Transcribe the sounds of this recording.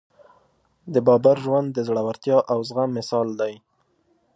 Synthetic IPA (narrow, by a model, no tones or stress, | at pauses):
d̪əbɑbaɾʒwand̪dːəzɽawaɾt̪jɑʔawzɣamːɪsɑld̪aj